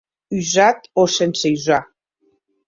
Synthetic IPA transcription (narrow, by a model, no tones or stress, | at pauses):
yzat̪osensejza